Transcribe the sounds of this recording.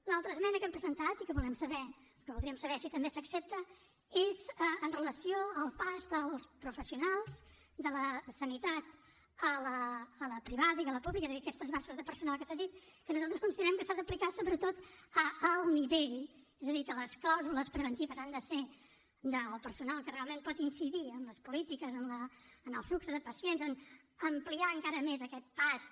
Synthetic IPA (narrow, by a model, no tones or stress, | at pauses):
lalˠt̪ɾəzmɛnəkɛmpɾəzənt̪at̪ikəβulɛmsəβɛ | kəβulˠd̪ɾiəmsəβɛsit̪əmbesəksep̚t̪ə | ezəənrələsioəlˠpazd̪əlˠspɾufəsiunalˠz | d̪ələsənit̪at̪ | ələːləpɾiβaðəiðələpublikəezəðiəkɛst̪ɾəzβasuzðəpəɾsunalˠkəsaðit̪̚kənuzalˠt̪ɾəskunsiðəɾɛmkəsaðəplikasoβɾət̪ot̪əəlˠniβeʎ | ezəðikələsklawzuləspɾəβənt̪iβəzand̪əse | d̪əlˠpərsunalˠkərealˠmẽmpɔt̪insiðiəmləspulit̪ikəzəmləənəlˠfluksəðəpəsienzən | əmpliaəŋkaɾəmezəkɛt̪̚pas